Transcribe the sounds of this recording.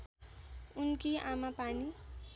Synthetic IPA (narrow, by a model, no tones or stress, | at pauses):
unkiamapani